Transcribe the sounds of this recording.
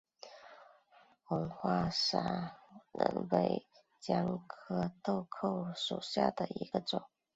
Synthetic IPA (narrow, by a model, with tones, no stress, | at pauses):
xə˧˥ŋxwa˥˩ʂa˧˥nə̰˧˥npe˥˩ɪ | t͡ɕjɑ˥ŋkʰɤ˥t̪o˥˧ʊkʰo˥˩ʊʂu˨˩ɕja̰˥˩d̪ə˩i˧˥ɡ̥ə˧ʈ͡ʂʊ˨˩˦ŋ